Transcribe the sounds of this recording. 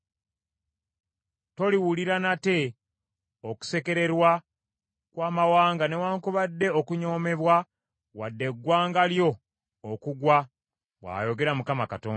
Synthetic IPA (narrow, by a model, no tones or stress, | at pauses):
to̞liwuliɾanate̞ | oku̥se̞ke̞ɾe̞ɾwa | kwaːmawaːŋɡane̞waːŋkuβadːe̞okuɲo̞ːme̞βwa | wadːe̞ɡːwaːŋɡaljo̞ː | kuɡwa | wa̰jo̞ɡe̞ɾamukamakatoːn